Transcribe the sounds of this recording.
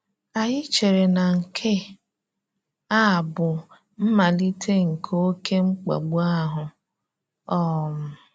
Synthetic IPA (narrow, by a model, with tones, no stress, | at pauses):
a˨jɪ˦t͡ʃe˨ɾe˨na˨ŋ̩˨kʰɪ˦ | a˦˨bʊ˨ | m̩˦ma˨li˦tʰe˦ŋ̩˨kʰo˦kʰe˦ŋ͡m̩˦k͡pa̰˨ɡ͡bu˦a˦ɦʊ˨ | ɔ˦m̩˨